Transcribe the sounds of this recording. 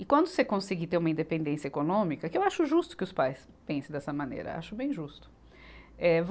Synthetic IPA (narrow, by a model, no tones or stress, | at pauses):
ɪkwɐ̃nd̪ʊsekõsiɡit̪eɾũmɐĩnd̪epẽnd̪ẽsiɐekonõmikɐkɪewaʃʊʒust̪ʊ̥kɪʊspajs | pẽsẽd̪ɛsɐmɐ̃nḛɾɐ̰a̰ʃʊbẽj̃ʒust̪ʊ̥ | ɛv